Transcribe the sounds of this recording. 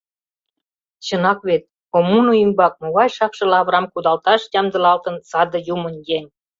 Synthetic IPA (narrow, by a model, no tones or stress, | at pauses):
t͡ɕə̆nɑkβet̪̚ | omunujəmbɑk̚moβɑjʃɑkʃɤ̆lɑβɾɑmkud̪ɑlt̪ɑʃjɑmd̪ə̆lɑlt̪ə̆nsɑd̪ə̆jumənjenʲ